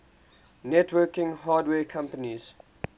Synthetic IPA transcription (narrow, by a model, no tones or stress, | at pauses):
nɛtwɜːkɪ̃ŋɦaːdwɛːkʰãmpəniz̥